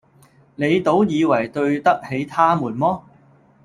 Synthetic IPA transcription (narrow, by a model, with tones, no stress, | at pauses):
ne˨˧jt̪o˨˥wjiː˨˧wɐ˨˩jt̪ɵ˧ɥt̪ɐ˥k̚he˨˥jt̪ʰaː˥muː˨˩nmɔː˥